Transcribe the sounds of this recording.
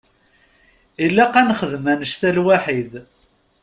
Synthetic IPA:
ilːæqːænχəðmænəʃθælwaħið

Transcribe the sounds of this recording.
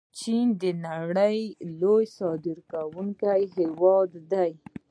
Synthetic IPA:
t͡ʃind̪ənaɽəjlojsɑd̪ɪɾkawuŋkajɦewɑd̪ːaj

